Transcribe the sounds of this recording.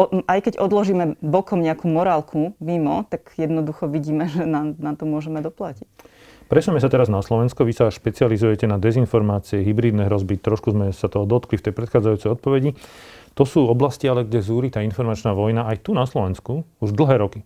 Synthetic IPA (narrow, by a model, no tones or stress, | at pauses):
ʔajkɛɟɔd̪lɔʒiːmɛbɔkɔmɲɛakuːmɔɾaːlkʰuʋimɔt̪aɡjɛd̪nɔd̪uxɔʋiɟiːmɛʒɛnanat̪ɔmʊɔʒɛmɛd̪ɔplacic | pɾɛsɛmɛs̬at̪ɛɾaznaslɔʋɛnskɔʋisaʃpɛt͡sializujɛcɛnad̪ɛzinfɔɾmaːt͡siɛɦibɾiːd̪nɛɦɾɔzbit̪ɾɔʃkuzmɛsat̪ɔɦɔd̪ɔt̪klift̪ɛjpɾɛt̪xaːd͡zajuːt͡sɛjɔt̪̚pɔʋɛɟit̪ɔsuːɔblascialɛɡɟɛzuːɾit̪aːinfɔɾmat͡ʃnaːʋɔjnaajt̪unaslɔʋɛnskuuʒd̪l̩ɦɛːɾɔki